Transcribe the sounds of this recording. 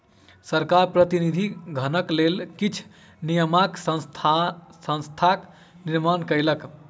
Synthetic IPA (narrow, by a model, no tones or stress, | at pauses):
səɾkaɾpɾət̪inid̪ʱiɡʱənəklelkit͡ʃʰ | nijəmaksəst̪ʰsə̃nst̪ʰak | niɾmankəjlək